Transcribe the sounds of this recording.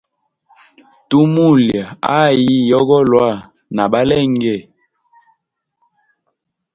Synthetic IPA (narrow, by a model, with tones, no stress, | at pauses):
tu˦mu˦˨lja˨a̰˦ji˦jɔ˦ɡɔ˦lwa˦˨ | na˨ɓa˦lɛ˦˨ŋ˦ɡɛ˦˨